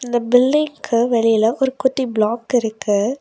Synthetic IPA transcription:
ɪnd̪ɐbɪlːɪŋkɯʋɛɭɪjɪlɐʔɔɾɯkʊʈːibɭaːkɪɾɯkːɯ

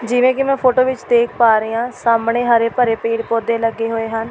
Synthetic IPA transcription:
d͡ʒɪʋẽːkɪmɛ̃ːpʰoːʈoːʋɪt͡ʃd̪eːkʰpaːɾeːãːsaːmɳeːɦaɾeːpəɾeːpeːɽpoːd̪eːləɡːeːɦoːeːɦən

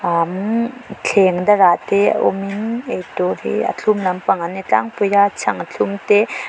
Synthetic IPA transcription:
amt͡ɬʰeŋdaɾatḛʔo̰minejtɔhḭɐ̰t͡ɬʰumlɐmpaŋanit͡ɬa̰ŋpujɾat͡sʰaŋat͡ɬʰumte

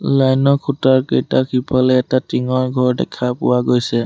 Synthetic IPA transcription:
lajnɔkʰutaɹkejtakʰipʰalɛːtatiŋɔɹɡʱɔɹdɛ̰kʰapʊwaɡojsɛ

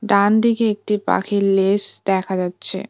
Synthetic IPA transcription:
ɖand̪ikeek̚ʈipa̰kʰiɾlesd̪ɛkʰad͡ʑatːɕʰḛ

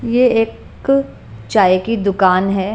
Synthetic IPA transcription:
jeeːk | t͡ʃaːjekid̪ʊkaːnɦɛː

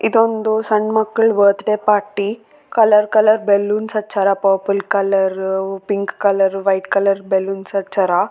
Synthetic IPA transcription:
id̪ond̪usɐɳɖmɐkːɐɭbəːt̪ʈepaːɾʈːi | kɐlɐɾkɐlɐɾbelːuːnsɐt͡ʃɐɾapoːpulkɐlɐɾpiŋkːɐlɐɾʋɐjʈkɐlɐɾbelːuːnsɐt͡ʃʰɐɾa

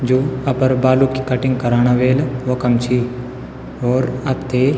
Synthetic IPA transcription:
d͡ʒoːɐpəɾbaːlukikɐʈɪ̃ŋɡ̚kɐɾaːɽ̃aʋeːlʋokɐmt͡ʃʰi | oːɾɐt̪ʰːeː

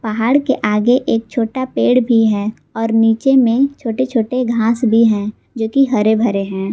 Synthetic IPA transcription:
pəɦaːɽkeʔaːɡeʔeːk̚t͡ʃʰoːʈapeːɽbʱiɦɛː | ɔːɾniːt͡ʃemẽt͡ʃʰoːʈet͡ʃʰoːʈeɡʱãːsbʱiɦɛ̃ː | d͡ʒoːkiɦɐɾebʱɐɾeɦɛ̃ː

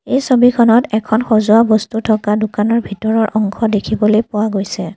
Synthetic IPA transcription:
ejsobikʰɔnɔtɛkʰɔnxɔzʊabɔstutʰɔkadʊkanɔɹbʱitɔɹɔɹʔɔŋkʰɔdekʰibɔlojpʊwaɡojsɛ

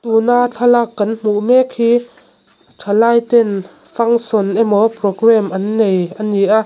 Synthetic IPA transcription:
t̪unat͡ɬʰalakːɐnm̥uʔmɛk̚hiː | tʰalaːjt̪ɛn | fɐŋsɔnʔɛmɔprɔɡrɛmʔɐnːejʔɐniʔaʔ

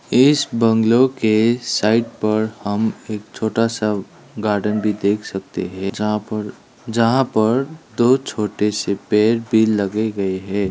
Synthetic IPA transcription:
ɪsbə̃ŋɡlokesaːɪʈ̚pəɾhəmeːk̚t͡ʃʰoːʈasa | ɡaːɾɖənbʱid̪eːkʰsək̚t̪ḛɦɛ̃ | d͡ʒəɦãpəɾd̪oːt͡ʃʰoːʈesepeːɾbʱilːəɡeɡəeɦɛ̃ː

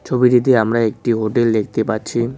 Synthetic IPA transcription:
t͡ɕʰobiʈit̪̬eamɾaek̚ʈiɦoʈeld̪ek̚ʰt̪epaɾɕʰi

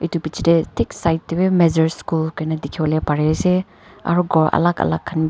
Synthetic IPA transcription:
itupit͡ʃidetʰiksajtːibemezɐɾskulkajnɐdikʰiɔlepaɾese | a̰ɾuɡɔɾɐ̰lakɐ̰lakʰːɐnb

